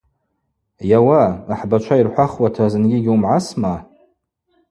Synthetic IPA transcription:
jawaːħbat͡ʃʷʰairħʷaχwatʰazɨnɡʲiɡʲiumʕasma

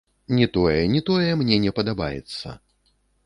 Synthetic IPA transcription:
nʲɛt̪ɔjɛnʲɛt̪ɔjɛmnʲɛnʲɛpɐd̪abajɛ̰t̪sːɐ̰

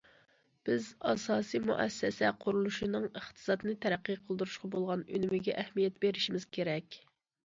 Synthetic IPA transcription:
b̥ɪzɑsɑːsijmṵʔɛ̰sːɛsɛqʰʊɾulˠuʃinɨŋəχt̪ʰɨ̥sɑt̪nɨt̪ʰɛɾæqːijqʰəlˠd̪uɾuʃqʰɑbolˠʁɑnø̰nymɪɡʲɛʔɛhmijɛt̪beɾɪʃimɪz̥kʲʰeɾɛkʲ

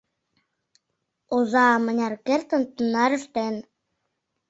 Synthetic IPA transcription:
ozɑmə̆nʲɑɾkeɾt̪ə̆nt̪unːɑɾɘ̆ʃt̪en

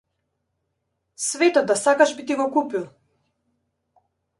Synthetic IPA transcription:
svɛt̪ɔt̪̚ːasakaʒbit̪iɡɔkupilˠ

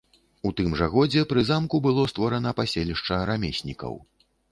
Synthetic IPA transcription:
ut̪ɨmʐɐɣɔd͡zʲɛpɾɨzamkubɨlˠɔst̪vɔɾɐnɐpasʲelʲiʂt͡ʂɐɾamʲesʲnʲikɐ̰w

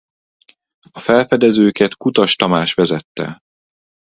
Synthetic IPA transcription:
ɒfɛlfɛd̪ɛzøːkɛt̪kut̪ɒʃt̪ɒmaːʃʋɛzɛt̪ːɛ̰

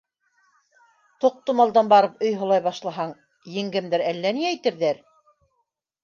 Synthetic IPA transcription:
t̪ŏq̚t̪omɑlˠd̪ɑnbɑɾɤpɵjɦŏlˠɑjβɑʃlˠɑɦɑɴ | jɘ̆ŋɡɘmd̪ɘɾælːæniæjt̪ɘ̆ɾðæɾ

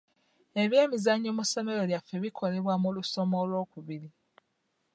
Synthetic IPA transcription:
e̞βje̞ːmizaɲːomusome̞lo̞ljafe̞βikʰo̞le̞βwamuluso̞mo̞lwo̞ːkuβili

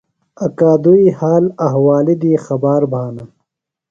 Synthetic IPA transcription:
ɐkaːd̪uihaːlɐɦwaːlid̪iːxɐbaːɾbʱaːnɐ

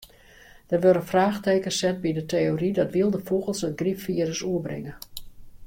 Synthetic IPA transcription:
d̥ərʋøɾənfraːxteːkəsɛt̚bidətʰeoridɔtʋiəlˠdəfoɣəlˠsənɡrifiəɾəsuəbrɪ̰ŋə

